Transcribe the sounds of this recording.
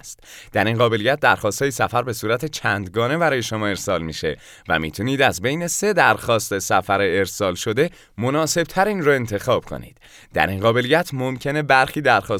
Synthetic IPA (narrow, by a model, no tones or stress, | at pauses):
st̪d̪æɾinɢɒːbe̞lijæt̪̚d̪æɾxɒːst̪hɒːjisæfæɾbe̞suːɾæt̪ʰet͡ʃʰæːnd̪ɡɒːne̞bæɾɒːjeʃomɒːe̞ɾsɒːlmiʃe̞̰ | væ̰mḭːt̪ʰuniːd̪æzbe̞jne̞se̞d̪æɾxɒːst̪e̞sæfæɾeːɾsɒːlʃo̞d̪e̞ | mo̞nɒːse̞b̥̚t̪ʰæɾiːnroe̞nt̪ʰe̞xɒːb̥kʰo̞̰nḭːd̪̥ | d̪æ̰ɾinɢɒːbe̞lijæt̪ʰmo̞mcʰe̞ne̞bæɾxiːd̪æɾxɒː